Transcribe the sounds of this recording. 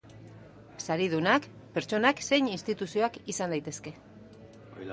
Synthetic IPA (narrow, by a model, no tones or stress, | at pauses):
saɾið̞unak | pe̞ɾt͡ʃo̞nakse̞jɲinst̪it̪usio̞akisand̪ajt̪e̞ske̞